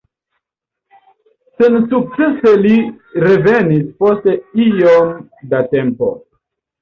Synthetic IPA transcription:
sensuk̚t͡sese̞li | ɾe̞ve̞nispo̞ste̞ijomdate̞mpo̞̰

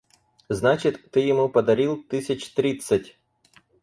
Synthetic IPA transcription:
znat͡ʃɪt̪ʲːɪjɪmupɐd̪ɐɾʲilˠt̪ɪsʲɐt͡ʃt̪ɾʲɪt̪sɐtʲ

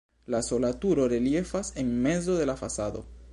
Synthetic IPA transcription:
laso̞latuɾo̞ɾe̞lje̞fase̞nme̞zo̞ðe̞lafasad̪o̞̰

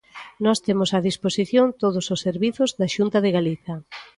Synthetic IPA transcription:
nɔst̪emʊsaðisposiθjoŋt̪oð̞ʊsosːeɾβiθʊzðaʃunt̪ɐðɪɣaliθɐ

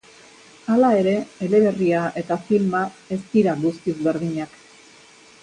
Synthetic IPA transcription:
alae̞ɾe̞ːle̞βe̞riaʔe̞t̪afilmae̞st̪iɾalust̪izβe̞ɾðiɲak

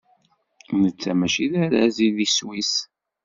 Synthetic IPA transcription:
nət͡sːæmæʃiðæɾæ̰ziðiswis

